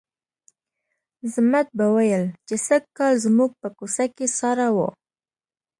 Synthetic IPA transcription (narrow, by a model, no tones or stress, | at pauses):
zmat̪̚bawajəlt͡ʃesakɑlzmuɡ̚pəkosakesɑɾawo̰